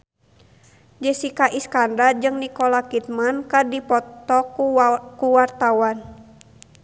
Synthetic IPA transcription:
d͡ʒɛsikaʔiskandard͡ʒɨŋnikɔlakit̪̚mankadipɔt̪ɔkkuwart̪awan

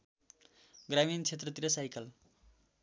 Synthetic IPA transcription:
ɡramint͡sʰet̪rʌt̪iɾʌsajkʌl

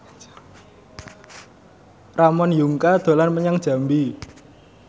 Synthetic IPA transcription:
ramɔnjuŋkad̪̥o̤lanməɲaŋd̥ʒ̥ä̤mbi

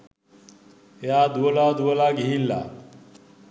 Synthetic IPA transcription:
ɦjad̪uwəlad̪uwəlaɡʱiinla̰

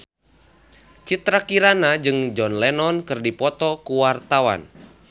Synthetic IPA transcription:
t͡ʃit̪ɾakiɾanad͡ʒɨŋd͡ʒɔnlɛnɔnkɨrdipɔt̪ɔkuwart̪awa̰n

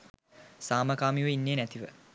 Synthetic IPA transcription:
saːməkaːmiʋəinːeːnæt̪iʋə

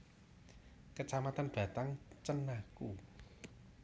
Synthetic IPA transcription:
kət͡ʃamat̪anb̥a̤t̪aŋt͡ʃənːaku

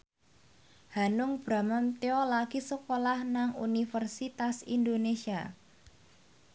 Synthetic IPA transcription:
hanʊŋb̥ɾa̤məmt̪eɔlaɡ̥isəkolahnaŋṵnifərsit̪asḭndonesia

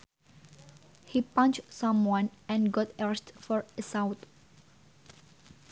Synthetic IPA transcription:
hipãnt͡ʃsãmwɔ̃nɛ̃nɡɔtɛɹɛstfɔɹəsawt̪

